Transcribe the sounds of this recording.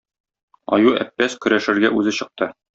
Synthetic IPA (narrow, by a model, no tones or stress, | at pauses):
ɒ̰juæ̰pːæskɵ̆ɾæʃɘ̆ɾɡæʔʉzɘɕɤ̆q̚t̪ɤ